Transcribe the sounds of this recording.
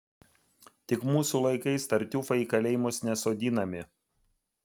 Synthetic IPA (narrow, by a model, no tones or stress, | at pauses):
t̪ʲɪkmuːsulˠɐɪkɐɪst̪ɐɾʲt̪ʲuːfɐiːkɐlʲɛɪmʊsnʲɛsoːd̪ʲiːnɐmʲɪ